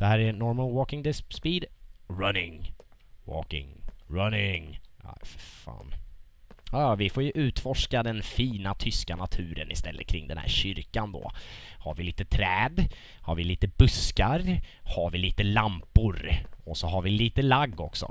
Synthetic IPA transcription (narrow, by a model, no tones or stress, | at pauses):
d̪̥ɛhæːɾænɔɾmənwɔːkɪŋd̪ɪspspiːd̪ɾanɪŋ | wo̰ːkɪ̰ŋɹanɪŋa̰ffa̰ːn | jɑjɑvɪfoːɾjɵʔʉ̟ːt̪fɔʂkad̪ɛnfiːnat̪ʰʏskanat̪ʰʉ̟ːɾə̰nɪst̪ɛlːə̰t̪̚kʰɾɪ̰ŋːd̪ɛ̰nhæ̰ːɾɕʏɾkand̪ɔ̰ːha̰ɾvɪliːt̪ət̪ʰɾɛːd̪ | haɾvɪliːt̪əbɵskaɾhaɾvɪliːt̪əlampʊɾɔsɔɦaɾvɪliːt̪əlaɡːɔksɔ̰